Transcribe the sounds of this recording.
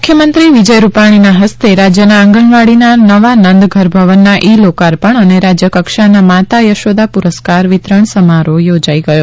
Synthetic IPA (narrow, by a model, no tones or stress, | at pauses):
mukʰjəmənt̪ɾiʋid͡ʒəjɾupaɽ̃inaɦəst̪eɾad͡ʒjənaə̃ŋɡəɳʋaɽinanəʋanənd̪ɡʱəɾbʱəʋənːaʔilokaɾpəɳəneɾad͡ʒjəkəkʃanamat̪ajəʃod̪apuɾəskaɾʋɪt̪ɾəɳsəmaɾojod͡ʒaiɡəjo